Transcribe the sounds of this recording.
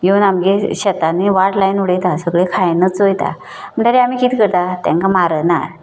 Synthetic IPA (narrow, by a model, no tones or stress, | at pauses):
jonamɡeɕɛt̪anːiʋaʈlajnuɽəjt̪asəɡɭekʰajnət͡sojt̪a̰ | m̤əɳʈaɾeam̤iːkiːt̪kəɾt̪at̪ã̰ŋkamaɾənaɾ